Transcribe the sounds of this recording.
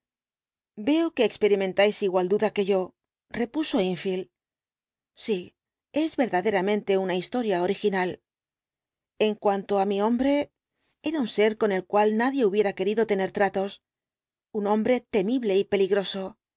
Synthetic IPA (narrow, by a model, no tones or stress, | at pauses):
be̞oke̞ːkspe̞ɾimẽ̞nt̪ajsiɣwald̪uðake̞ʝo̞ | re̞puso̞iɱfil | si | e̞zβe̞ɾðaðe̞ɾamẽ̞nt̪e̞unaist̪o̞ɾjao̞ɾixinal | e̞ŋkwant̪o̞amio̞mbɾe̞ | e̞ɾaunse̞ɾko̞ne̞lkwalnaðje̞uβje̞ɾake̞ɾiðo̞t̪e̞ne̞ɾt̪ɾat̪o̞s | unõ̞mbɾe̞t̪e̞miβle̞ipe̞liɣɾo̞so̞